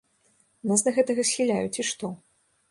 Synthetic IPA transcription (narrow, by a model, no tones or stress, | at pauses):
nazd̪ɐɣɛt̪ɐɣɐsʲxʲilʲajut͡sʲiʂt̪ɔ